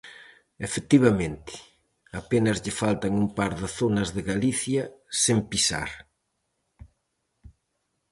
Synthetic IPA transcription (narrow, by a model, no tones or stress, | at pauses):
efek̚t̪iβ̞ɐmẽnt̪ɪ̥ | apenɐzʎɪfalt̪ɐŋumpaɾðɪθonɐzðɪɣaliθjɐsempisa̰ɾ